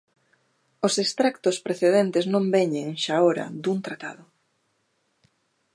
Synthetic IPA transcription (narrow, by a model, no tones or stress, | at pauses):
ʊsest̪ɾakt̪ʊspɾeθeðent̪ɪznõmbeɲeŋʃaoɾɐ̰d̪uŋt̪ɾat̪a̰ðʊ